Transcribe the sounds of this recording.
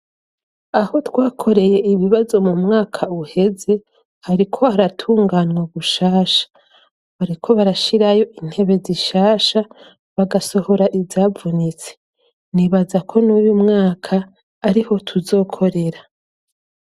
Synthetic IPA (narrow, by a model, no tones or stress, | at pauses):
aho̞twaːkʰo̞ɾe̞je̞iβiβazo̞mumŋaːkʰauhe̞ze̞ | haɾikʰo̞aɾatʰuːŋɡanŋoβuʃaːʃḁ | βaɾikʰo̞βaɾaʃiɾajo̞ʔin̥he̞βe̞ziʃaːʃa | βaɡaso̞ho̞ɾaʔivavunit͡se̥ | niβazakʰo̞nujumŋaːkʰaː | ɾiho̞tʰuzo̞ːkʰo̞ɾe̞ɾa